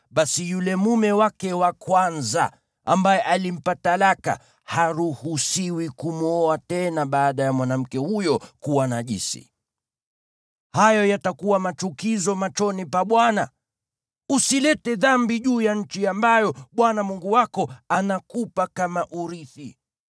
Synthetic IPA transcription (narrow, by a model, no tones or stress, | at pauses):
ɓasijulɛmumɛwakɛwakwanza̰ | ambajɛʔalim̩patalaka̰ | haɾuhusiwikumuɔatɛnaɓaːɗajamwanam̩kɛhujɔkuwanaʄḭsḭ | hajɔjatakuwamat͡ʃukizɔmat͡ʃɔnipaɓwana | usilɛtɛðambiʄuːjaɲ̩t͡ʃiambajɔɓwanamuŋɡuwakɔanakupakamaʔuɾiθi